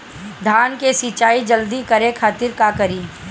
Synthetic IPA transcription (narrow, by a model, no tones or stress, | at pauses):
d̪ʱaːnkesit͡ʃaːid͡ʒəld̪ikɐɾekʰaːt̪ɪɾkakəɾiː